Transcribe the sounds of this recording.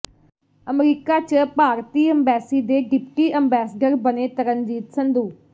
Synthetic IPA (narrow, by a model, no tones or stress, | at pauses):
əmɾiːkaːt͡ʃəpaːɾt̪iːəmbɛːsiːd̪eːɡɪp̚ʈiːəmbɛːsəɖəɾbəneːt̪əɾənd͡ʒiːt̪sənd̪uː